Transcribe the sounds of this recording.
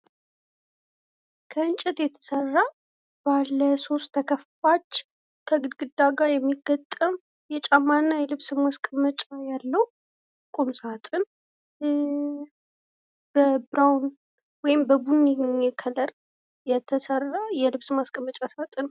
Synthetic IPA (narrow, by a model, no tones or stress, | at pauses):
kʰəɨnt͡ʃʼɛt̪jɛt̪ʰə̥sərːa | b̥alːəso̞st̪ʰːəkʰəffat͡ʃː | kʰəɡɨd̪ɡɨd̪ːaɡajɛmːiɡːət̪ʼːəm | jɛt͡ʃʼamːanːajɛlɨβsɨmaskʼəmət͡ʃʼajalːəw | kʼumsat̪ʼɨn | b̥əbɾawn | wɔjɪmbəbuniɲːɛkʰələɾ | jɛt̪ʰəsərːajɛlɨβsmaskʼəmət͡ʃʼasat̪ʼɨn